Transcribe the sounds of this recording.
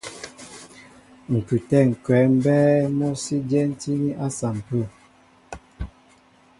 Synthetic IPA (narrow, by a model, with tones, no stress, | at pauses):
ŋ̩˨kʉ˨tɛ˦˨ŋ̩˨kwɛ˨˦m̩˦bɛː˦mɔ˦si˦d͡ʒɛ˦n̩˦ti˦ni˦ʔa˦sa˨m̩˨pu˦˨